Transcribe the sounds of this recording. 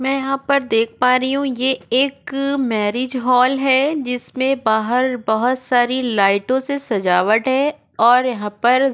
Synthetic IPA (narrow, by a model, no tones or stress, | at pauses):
mɛ̃ːjɐɦãpɐɾd̪eːk̚ʰpaːɾiɦũjeeːkmɛːɾɪːd͡ʒɦɔːlɦɛd͡ʒɪsmẽbaːɦəɾbɐɦʊt̪saːɾilaːɪʈõsesɐd͡ʒaːʋəʈɦɛ | ɔːɾjɐɦãːpɐɾ